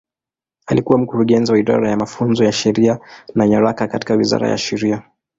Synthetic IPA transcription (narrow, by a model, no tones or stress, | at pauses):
alikuwam̩kuɾuɠɛnziwaiɗa̰ɾajamafunzɔjaʃɛɾianaɲaɾakakati̥kawiza̰ɾa̰ja̰ʃɛɾia